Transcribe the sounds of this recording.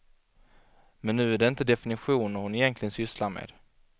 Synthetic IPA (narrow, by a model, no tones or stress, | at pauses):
mɛnːʉ̟ːæɖɛɪnt̪əd̪ɛfɪnɪɧuːnɔhʊnɪjɛnk̪ʰlɪɡənsʏslaɾmḛːd̪